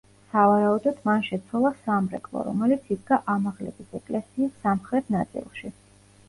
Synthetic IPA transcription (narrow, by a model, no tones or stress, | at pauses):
savaɾaud̪ɔd̪manʃɛt̪sʰwɛlˠasamɾɛ̰kʼlˠɔ̰ɾɔ̰mɛlit̪sʰid̪ɡaʔamaʁlɛ̰bisɛkʼlɛsiːsːamχɾɛt̪ʰnat̪sʼḭlˠʃi